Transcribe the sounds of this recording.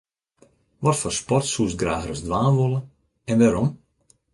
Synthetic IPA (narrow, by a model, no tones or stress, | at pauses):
ʋɔtfɔrspɔrtsuəsɡraːɣrəsdʋaːnʋolˠə | ɛnʋaːɾɔm